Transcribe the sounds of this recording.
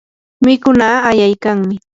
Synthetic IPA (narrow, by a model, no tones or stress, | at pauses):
mɪkʊnaːjajkaŋmɪ